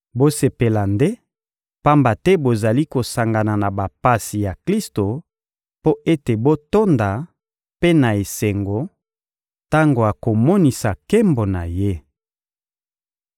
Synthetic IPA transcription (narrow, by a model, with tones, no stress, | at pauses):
bo˦se˨pe˨la˨nde˦ | pa˦mba˨tɛ˦bo˨za˨li˦ko˨sa˨ŋɡa˨na˨na˨ba˨pa˨si˨ja˨kli˦sto˨ | po˦e˦te˨bo˦to˦nda˨ | pe˦na˨e˨se˨ŋɡo˨ | ta˦ŋɡo˨a˨ko˨mɔ˦ni˨sa˨ke˦mbo˨na˨je˦